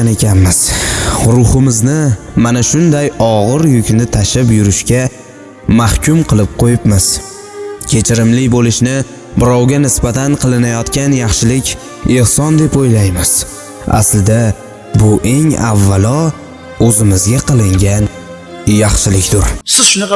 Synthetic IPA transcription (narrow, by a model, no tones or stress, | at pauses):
nekʲʰanmɪz̥ɾʊhɪmɪznɪmanaʃʊnd̪ajɒʁɨɾjʊkʲnɪt̪ʰaʃɪpjʊɾɪʃkʲa | mahkʲʊmqʰɨlˠɪp̚qʰojɪpmɪz̥ | kʲʰe̞t͡ʃʰɪɾɪmlɪbolɪʃnɪ | bɪɾawɡʲanɪsbat̪ʰanqʰɨlˠɪnajɒt̪kʲanjɑχʃɪlɪkʲ | ehsɒnd̪e̞pojlajmɪz̥ | a̰slɪd̪a | bʊʔe̞ŋa̰vːalɒ | ɵzɪmɪzɡʲaqʰɨlˠɪŋɡʲan | jɑχʃɪlɪkʲd̪ʊɾsɪzʃʊnɑ